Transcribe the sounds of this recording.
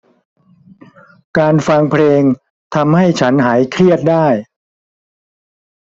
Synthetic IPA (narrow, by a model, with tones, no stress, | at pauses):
kaː˧nfa˧ŋpʰleː˧ŋ | t̪ʰa˧mha˥˩jt͡ɕʰa˦˥nɦaː˩˦jkʰɾi˥˩ət̪̚daː˥˩j